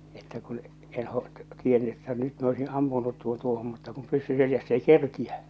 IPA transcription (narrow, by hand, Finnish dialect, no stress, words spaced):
etːæ kun en ho tienːy etːæ nyt mi oisin ɑmpunut tuon tuohom mutːɑ kum pysːy seljæsː ei kerkiæ